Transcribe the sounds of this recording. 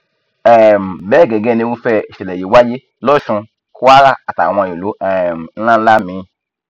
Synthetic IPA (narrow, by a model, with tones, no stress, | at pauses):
ɛ˨m˨bɛ˦˨ɡɛ˨ɡɛ˦˨ne˦wu˦fɛ˧˨ʃɛ˨lɛ˨ji˨wa˦d͡ʒe˦ | lɔ˦ʃũ˧ | ku˦wa˦ɾa˦a˨tã̰˨ã˧˨jo˨lo˨˦ɛ˨m˨n̩˦lã˦la˦mĩ˨˦